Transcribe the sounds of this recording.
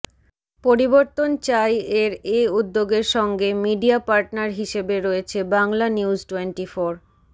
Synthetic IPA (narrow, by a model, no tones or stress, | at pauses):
poɾiboɾt̪ont͡ɕajeɾeud̪ːoɡeɾʃɔŋɡemiɖiapaɾʈnaɾɦiʃebeɾoet͡ɕʰebaŋlaniuzʈwenʈifoɾ